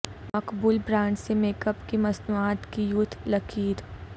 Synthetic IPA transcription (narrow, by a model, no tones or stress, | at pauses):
mɐkbuːlbɾãːɳd͡ʒsemeːkəpkimɐznuaːt̪kijut̪ʰlɐkʰiːɾ